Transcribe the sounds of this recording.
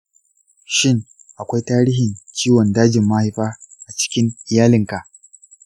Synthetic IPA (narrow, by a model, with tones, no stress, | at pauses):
ʃɪ˦ŋ | ʔa˨kʷa˦jtaː˦ɾiː˦hɪ˨nt͡ʃiː˦wɔ˨ndaː˦d͡ʒɪ˨mːa˦ha˦jɸaː˦ʔa˨t͡ʃɪ̥˦kʲɪ˦ŋʔɪ˨jaː˦lɪ˨ŋka˨ʔ